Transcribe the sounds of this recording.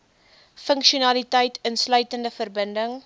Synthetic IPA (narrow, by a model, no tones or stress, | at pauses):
fəŋkʃiunɐlitəjtʰənslœɥtəndəfərbəndəŋ